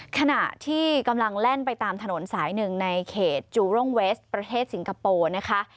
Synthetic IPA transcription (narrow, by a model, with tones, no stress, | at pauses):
kʰa˧na˨˩ʔt̪ʰiː˥˩ka˧mla˧ŋlɛ˥˩npa˧jt̪aː˧mt̪ʰa˧no˨˩˦nsaː˩˦jnɯ˨˩ŋna˧jkʰeː˨˩t̪̚t͡ɕuː˧ɾo˥˩ŋwe˦˥st̪̚pɾa˧t̪ʰeː˥˩t̪̚si˩˦ŋkʰa˧poː˧na˦˥kʰa˦˥ʔ